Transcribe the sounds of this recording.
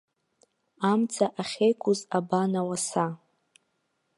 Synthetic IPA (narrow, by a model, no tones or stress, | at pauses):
amt͡sʰaʔaχʲejkʷʰʊzabanawasa